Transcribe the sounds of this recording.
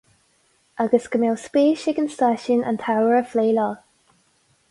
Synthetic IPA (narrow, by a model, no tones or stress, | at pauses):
ʔaɡəskəmɛwspeːʃɪɡənstaʃɪnə̰ntʰawəɹəfleːlɔːl